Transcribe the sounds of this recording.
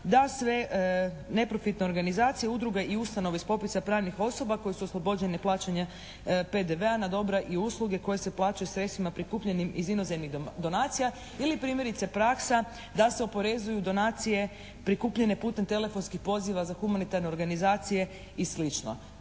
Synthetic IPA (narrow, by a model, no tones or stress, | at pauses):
d̪asʋe̞ | ne̞pɾo̞fit̪ne̞o̞ɾɡanizaːt̪sijeud̪ɾuɡeʔiust̪ano̞ʋeispo̞pisapɾaːʋnixo̞so̞bako̞jesuoslˠo̞bo̞d͡ʑe̞neplˠaːt͡ʃaɲa | pe̞d̪eʋe̞anad̪o̞bɾaʔiuːslˠuɡe̞ko̞jese̞plˠaːt͡ʃajusɾet̪t̪ʋimapɾikuːpʎe̞nimizino̞zemniɣd̪o̞naːt̪sija | ilipɾiːmje̞ɾit̪se̞pɾaksa | d̪ase̞o̞po̞ɾe̞zujud̪o̞naːt̪sije̞ | pɾikuːpʎe̞ne̞puːt̪e̞mt̪e̞le̞fo̞nskixpo̞ziʋazaxumanit̪aɾne̞oɾɡanizaːt̪sije̞ | islit͡ʃno̞̰